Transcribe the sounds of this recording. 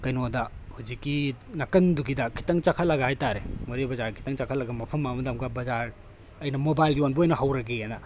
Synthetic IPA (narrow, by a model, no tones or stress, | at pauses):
kɐjnodɐhud͡ʒikːinɐkɐnduɡidɐkʰi̥tɐŋt͡ʃɐkʰɐtlɐɡɐhajtaɾemɐɾebɐzaɾkʰi̥tɐŋt͡ʃakʰɐtlɐɡɐmɐpʰɐmːamɐdamɡɐbɐzaɾ | ɐjnɐmobajlɡionbɐojnɐɦawɾɐɡeenɐ